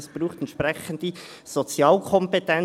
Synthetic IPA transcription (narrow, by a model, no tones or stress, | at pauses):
sb̥ɾuːχt̪ɛnt̪ʃpɾɛχənd̥̪i | sot͡sjɑːlkʰɔmpetɛn